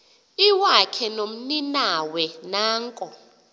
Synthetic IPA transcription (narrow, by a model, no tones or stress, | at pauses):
iwakʰɛnom̩ninawɛnaːŋkʼɔ